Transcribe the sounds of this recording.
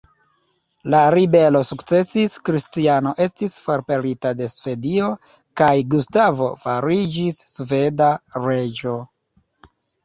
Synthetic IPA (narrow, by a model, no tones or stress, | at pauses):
laɾibe̞lo̞sukt͡se̞siskɾistiano̞ʔe̞stisfoɾpe̞ɾitade̞sv̥e̞dio̞ | kajɡustavo̞̰faɾid͡ʒisːve̞daɾe̞d͡ʒo̞